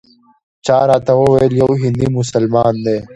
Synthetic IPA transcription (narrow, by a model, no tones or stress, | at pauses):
t͡ɕaːɾaːt̪ɐwowɐjeljɐwɦĩnd̪imʊsɐlmaːnd̪eː